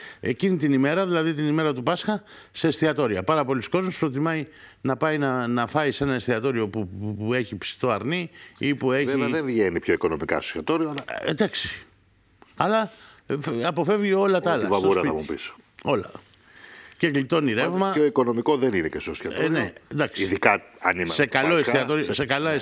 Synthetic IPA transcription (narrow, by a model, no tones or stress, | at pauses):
e̞cinit̪inime̞ɾɐðilɐðit̪̬inime̞ɾɐt̪upɐsxɐ | se̞st̪iɐt̪o̞ɾiɐpɐɾɐpo̞lisko̞zmuspɾo̞t̪̬imɐinɐpɐinɐnɐfɐise̞nɐest̪iɐt̪o̞ɾio̞puue̞çipsi̥t̪o̞ɐɾniipueviɐðevʝenipço̞iko̞nomikɐ̰sçɐt̪oɾioɐlɐed̪ɐksi̥ | ɐlɐ | ɐpo̞fe̞vʝio̞lɐt̪ɐɐlvɐvusɾɐɐmupiso̥ | o̞lɐ | ceklit̪o̞niɾevmɐoiko̞no̞mikoðeninecesost̪iɐnend̪ɐksiiðikɐɐnimɐsekɐloesiɐt̪oɾiose̞kɐlɐes